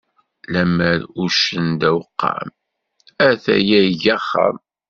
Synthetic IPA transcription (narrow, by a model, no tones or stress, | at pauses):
læməɾuʃənd̪æwəqːɑ̰m | æθæ̰jæʝæχːə̰m